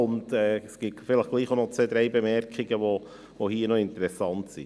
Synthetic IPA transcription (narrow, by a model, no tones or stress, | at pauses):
ʊndɛːsɡ̥itfɪləχɡ̥liːχonɔt͡sʋeːd̪ɾɛɪbɛmɛɾkχiɡəʋo | vohiːnɔɪntəɾɛsɑntsḭ